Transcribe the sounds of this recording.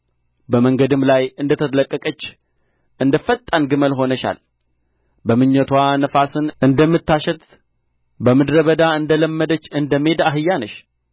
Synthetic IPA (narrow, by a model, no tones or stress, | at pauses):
bəməŋɡəd̪ɨmlajɨnd̪ət̪ʰət̪ləkʼːəkʼət͡ʃː | ʔɨnd̪əfət̪ʼːanɡɨməlɦo̞nəʃa̰l | bəmɨɲːət̪ʰwanəfasɨnʔɨnd̪əmːɨt̪ːaʃɛt̪ | bəmɨd̪ɾəβəd̪aɨnd̪ələmːəd̪ət͡ʃːɨnd̪əme̞d̪aɦɨjːanəʃ